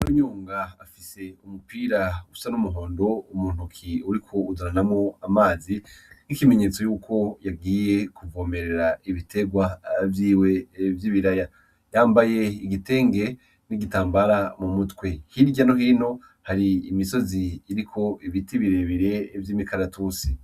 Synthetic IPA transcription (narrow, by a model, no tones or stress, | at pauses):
ɾoɲuːŋɡaafise̞umupiːɾausanumuɦo̞ːndo̞umuːn̥ukʰiuɾikʰo̞uduɾanamŋo̞amaːzinikime̞ɲe̞ːt͡so̞juːkʰo̞jaɡiːje̞kuvɡoːme̞ɾe̞ɾaiβitʰe̞ɡwavjiːwevjiβiɾaja | jaːmbaje̞iɡite̞ːŋɡe̞ | niɡitaːmbaɾamumutwe̞hiɾɟanoɦiːno̞ | haɾiːmiso̞ziːɾikʰo̞ʔiβitiβiɾeβiɾe̞vjiːmikaɾatusi